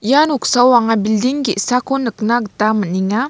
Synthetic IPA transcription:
januksawaŋabildiŋɡiʔsakonəknaɡət̪aməniŋa

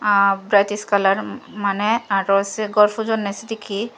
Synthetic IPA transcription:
bɾajt̪iskalaɾmanɛaɾɔseɡɔɾfʰud͡ʒɔnːɛsid̪ikʰi

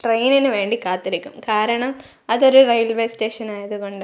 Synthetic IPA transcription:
ʈrejninɨʋe̞ːɳɖikaːt̪ːiɾikʲːumkaːɾɐɳɐm | ɐðo̞ɾurɐjlʋeːsʈeːʂɐnaːjɐðuɣo̞ɳɖɨ

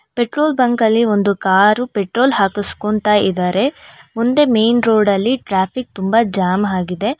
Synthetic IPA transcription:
peʈɾoːlbɐŋkɐlːiond̪ukaːɾupeʈɾo̞ːlɦaːkuskont̪aid̪aːɾe̞mund̪emejnɾo̞ːɖɐlːiʈɾaːpʰik̚t̪umbɐd͡ʒaːmɦaːɡid̪e̞

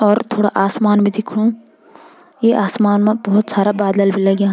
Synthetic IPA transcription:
ɔɾt̪ʰoːɽaʔaːsmaːnbid̪ikʰũ | jiʔaːsmaːnmabɔɦut̪saːɾabaːd̪lɐlbʱilaɡãː

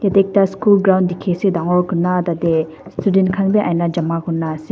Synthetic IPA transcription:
jat̪ek̚t̪askulɡɾawnd̪ikʰesid̪aŋokunːat̪at̪e | st̪ʰudenkʰanpeʔanlad͡ʑamakunːase

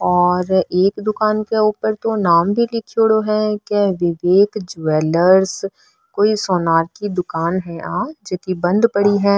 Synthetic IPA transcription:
ɔːɾeːkd̪ʊkaːnkeuːpəɾt̪onaːmbʱilɪkʰijoɽoɦɛ̃keʋɪʋeːkd͡ʒueːləɾs | koːisɔːnaːɾkid̪ʊkaːnɦɛ̃ʔaːd͡ʒɛk̪ibɐ̃nd̪pɐɽiɦɛ̃ː

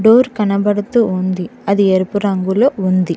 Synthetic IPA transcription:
ɖoːɾkɐnɐbɐɽut̪uːund̪iɐd̪ieɾupuɾɐŋɡuloːund̪i

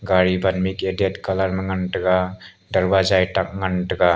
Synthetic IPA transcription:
ɡaɾibanmikedietkalaɾmaŋantaɡa | daɾbazajtak̚ŋantaɡa

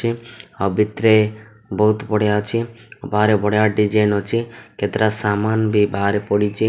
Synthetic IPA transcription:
iabit̪ɾe | bɔɦut̪pɔɽjat͡ʃʰibaɾebɔɽjaɖid͡ʒenɔt͡ʃʰikʰet̪ɾasamanbibʱaɾepɔɽit͡ʃʰi

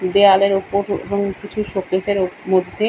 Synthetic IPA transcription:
d̪ealeɾupoɾḛboŋkit͡ɕʰuʃokeʃeɾomod̪ʱːe

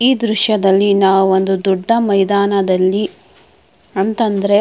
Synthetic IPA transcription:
iːd̪ɾuʃjɐd̪ɐlːinaːʋuo̞nd̪ud̪uɖʱːɐmɐjd̪aːnɐd̪ɐlːi | ɐnt̪ɐnd̪ɐɾe

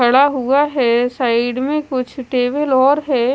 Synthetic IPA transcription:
ɐɽaɦuaɦɛːsaːɪɖmẽkʊt͡ʃʰʈeːʋəlɔːɾɦɛː

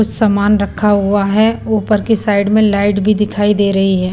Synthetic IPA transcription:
ʊssɐmaːnɾɐkʰaɦʊaɦɛopɐɾkisaːɪɖmẽlaːɪʈbʱid̪ɪkʰaːid̪eːɾɐɦiɦɛː

